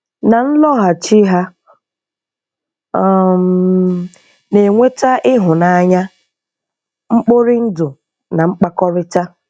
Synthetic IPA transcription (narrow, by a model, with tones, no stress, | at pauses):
na˨n̩˦lɔ˦ɦa˨t͡ʃi˦ɦa˦˨ | m | ne˨ŋʷe˦ta˦ʔɪ˦ɦʊ˨na˨a˨ɲa˦ | ŋ͡m̩˦k͡po˦ɾɪ˦n̩˦dʊ˨ | na˨ŋ͡m̩˦k͡pa˦kɔ˦ɾɪ˦ta˦